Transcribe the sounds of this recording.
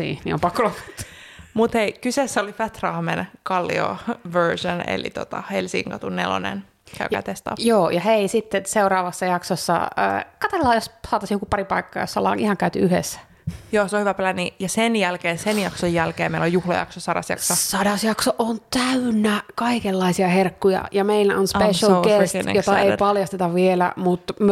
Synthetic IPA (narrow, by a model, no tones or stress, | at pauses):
ḭːnḭo̰mpɑkːolotɑt̪ːmut̪heikysesːæolifæt̪rɑhmenkɑlːḭo̰ʋøɹsonḛlḭt̪ot̪ɑ̰helsḭŋkɑt̪unːḛlo̰nḛn | kæykæ̰t̪est̪ɑ̰ːpjoːjɑheisit̪ːeseuɾɑːʋɑsːɑjɑksosːɑ̰ə̰ːkɑt̪elːɑːjossɑːt̪ɑsjokupɑripɑikːɑːjo̰sɑlːɑ̰ːnihɑŋkæyt̪yyhḛsːæ̥ | joːseohyʋæplænːijɑsenjælkeːnsenjɑksojːælkeːmeilojuhlɑ̰jɑ̰ksosɑɾɑ̰sjɑ̰ksosɑdɑsjɑksoʔont̪æynːækɑikelːɑisiɑherkːujɑ̰jɑmeilæonspeʃɑlkesn̰jot̪ɑeipɑljɑst̪et̪ɑʋʋielæ̰mut̪m